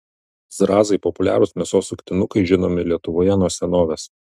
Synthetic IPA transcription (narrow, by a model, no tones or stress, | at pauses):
zɾɑːzɐɪpɔpʊlʲæ̰ːɾʊsmʲiɛsoːsʊkʲt̪ʲɪnʊkɐɪʒʲɪnoːmʲɪlʲiɛt̪ʊʋoːjɛnuɔsʲɛnoːʋʲeːs